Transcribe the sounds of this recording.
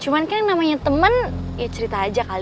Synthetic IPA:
t͡ʃumankaŋnamaɲat̪əmən | jat͡ʃəɾit̪aːd͡ʒakal

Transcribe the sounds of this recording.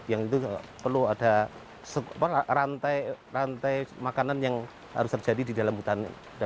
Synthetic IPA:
jaŋit̪upərluada | səapaarant̪ajrant̪ajmakananjaŋ | ha̰ɾʊst̪ərd͡ʒadididalambut̪an | da

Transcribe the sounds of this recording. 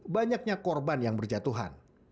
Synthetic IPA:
baɲak̚ɲakɔrbanjaŋbərd͡ʒat̪uɦa̰n

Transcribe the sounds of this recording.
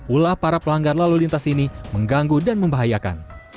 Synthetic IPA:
ulahpaɾapəlaŋɡarlalulint̪asiniməŋɡaŋɡudanməmbaɦajaka̰n

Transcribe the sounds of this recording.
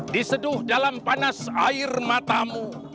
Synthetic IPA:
disədʊhdalampanasaɪrmat̪amu

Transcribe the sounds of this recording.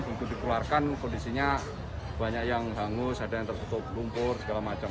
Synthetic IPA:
b̥ukud̪ikularkankondisiɲa | b̥a̤ɲaʔjaŋɦaŋʊsad̥aaŋt̪ərp̪ut̪ʊp̚lumpʊrsəɡalamat͡ʃə

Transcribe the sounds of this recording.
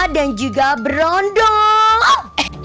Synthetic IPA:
dand͡ʒuɡabəɾɔndɔ

